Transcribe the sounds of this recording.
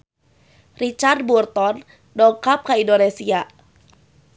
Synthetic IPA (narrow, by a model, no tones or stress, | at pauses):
rit͡ʃard̪̚burt̪ɔn | dɔŋkap̚kaindonesia